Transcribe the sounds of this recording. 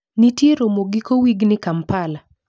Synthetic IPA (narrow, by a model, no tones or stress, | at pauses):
nitjeɾomoɡikowiɡnɪkampala